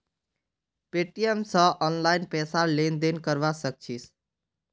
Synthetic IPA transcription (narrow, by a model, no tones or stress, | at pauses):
peʈijemsə̃ʔɔnlaːɪnpɛːsalend̪enkəɾʋasək̚t͡ʃʰis